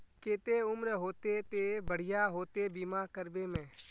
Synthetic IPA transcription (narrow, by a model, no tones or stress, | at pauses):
keːt̪eːʊmɾɦoːt̪eːt̪eːbəɽ̤ɪjaːɦoːt̪eːbiːmaːkəɾbeːmɛ̃ː